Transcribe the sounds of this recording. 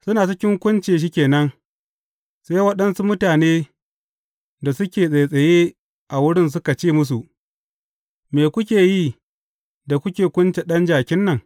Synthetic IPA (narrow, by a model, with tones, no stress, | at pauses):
sʊ˦naː˨sɪ˦kʲɪ˦ŋkʷʊ˦nt͡ʃeː˨ʃ̬i˦kʲeː˨nɐ˦ŋ | sa˦jwɐ˦ɗɐ˦nsu˦mʊ˦taː˨neː˦ | da˨sʊ˦kʲeː˨sʼe˨jsʼɐ˨jeː˦ | ʔa˨wʊ˦ɽɪ˦ns̬ʊ˦ka˨t͡ʃeː˦˨mʊ˦s̬u˨ʔ | meː˨kʷʊ˦kʲeː˨jiː˦ | da˨kʷʊ˦kʲeː˨kʷʊ˦nt͡ʃe˨ɗɐ˦nd͡ʒaː˨kʲɪ˦nːɐ˨ŋ